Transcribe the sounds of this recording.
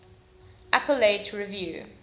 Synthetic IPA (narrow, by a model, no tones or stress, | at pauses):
ʔapəletʰɹivjʉ̰ː